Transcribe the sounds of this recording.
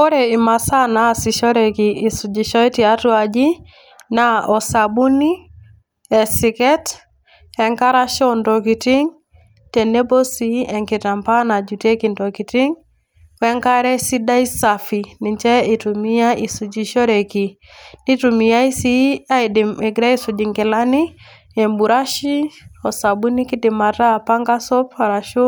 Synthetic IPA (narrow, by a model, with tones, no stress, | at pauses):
o˦ɾe˨i˨ma˨sa˦na˨si˨ʃɔ˦ɾe˨ki˨ʔːsu˨d͡ʒi˨ʃɔ˦i˦ti˨a˦tu˦a˨d͡ʒi˦ | naɔ˨sa˨bu˦ni˦ | ɛ˨sɪ˨kɛ˦t | ɛ˨ŋka˦ɾa˦ʃɔ˦ndo˨ki˨ti˦ŋ | te˨ne˦bo˦siɛ˨ŋki˨ta˨mpa˦na˨d͡ʒu˨te˦ki˨ndo˨ki˨ti˦ŋ | kwɛ˦ŋka˦ɾɛ˦si˦da˦i˦sa˨fi˨ni˨ɲt͡ʃɛ˦i˨tu˨mi˦ja˦ʔi˨su˨d͡ʒi˦ʃɔ˦ɾe˨ki˨ | ni˦tu˨mi˨ja˦i˦si˦a˦˨dɛ˨ɡɾa˦i˦su˨d͡ʒi˨ŋkɪ˨la˦ni˦ | ɛ˨mbu˨ɾa˦ʃi˦ɔ˨sa˨bu˦ni˦ki˦dɪ˨ma˨ta˦˨pa˦ŋɡa˦sɔ˦pa˨ɾa˨ʃu˦